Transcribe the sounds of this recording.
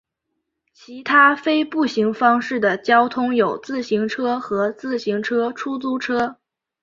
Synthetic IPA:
t͡ɕʰi˧˥t̪ʰa˥fe˥ɪpu˥˩ɕi˧˥ŋfɑ˥ŋʂɻ̩˥˩d̪ə˩t͡ɕjɑ˥ʊt̪ʰʊ˥ŋjo˨˩ʊt͡sɹ̩˥˩ɕi˧˥ŋʈ͡ʂʰɤ˥xɤ˧˥t͡sɹ̩˥˩ɕi˧˥ŋʈ͡ʂʰɤ˥ʈ͡ʂʰu˥t͡su˥ʈ͡ʂʰɤ˥

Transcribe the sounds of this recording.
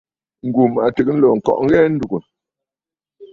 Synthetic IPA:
ŋ̩˨ɡu˨ma˨tə˨k̚n̩˦lɔ˨ŋ̩˨kɔ̰˦˨ʔŋ̩˦ɣɛ˦n̩˦du˨ɡə˨

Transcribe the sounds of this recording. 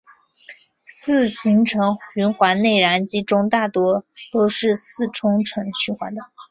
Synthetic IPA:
sɹ̩˥˩ɕi˧˥ŋʈ͡ʂʰɤ˧˥ŋy˧˥nxwa˧˥ne˥˩ɪɻa˧˥nt͡ɕi˧˥ʈ͡ʂʊ˥ŋt̪a˥˩t̪wɔ˥t̪o˥ʊʂɻ̩˥˧sɹ̩˥˩ʈ͡ʂʰʊ˥ŋʈ͡ʂʰɤ˧˥ŋɕy˥xwa̰˧˥nd̪ə˧

